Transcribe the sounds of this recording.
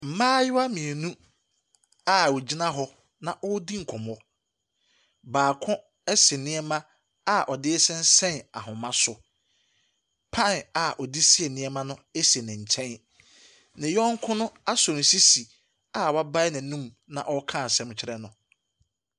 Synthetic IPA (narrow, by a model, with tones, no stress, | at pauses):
m̩˨mãː˦jɪ˦wa˦mĩ˨e˨nũ˦ | a˦˨wɔ˨d͡ʑi˦nã˦ɦɔ˦ | nã˨ʔɔ˦di˦ŋ̩˨kʷʰɔ̃˨mɔ˦ | baː˨kʰʊ̃˦ | ɛ˦sɪ˨nɪ̃˦ɛ˦mã˦ | a˨ʔɔ˨dɪ˦sɛ̃˦n˦sɛ̃˦na̰˨ɦʊ̃˨mã˦sʊ˨ | pʰã˦˨na˨ʔɔ˨di˦si˦ɛ˨nɪ̃˨˦ɛ˦mã˦nʊ̃˦e˦se˨nɪ̃˨ɲ̩˨t͡ɕʰɛ̃˦n | nɪ̃˨jɔ̃˦ŋ˦kʰʊ̃˦nʊ̃˦a˦sɔ˨n̩˨si˦si˨ | a˨wa˦ba˦jnɪ̃˨nũ˦m | nã̰˨ʔɔ˦kʰã˦˨sɛ̃˦m˦t͡ɕʰɪ˦ɾɛ˦nʊ̃˨